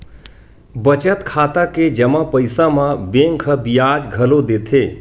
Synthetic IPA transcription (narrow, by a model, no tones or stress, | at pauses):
bət͡ʃət̪kʰaːt̪aked͡ʒəmãpəɪsãmãbẽŋkʰəbijaːd͡ʒɡʱəlod̪eːt̪ʰeː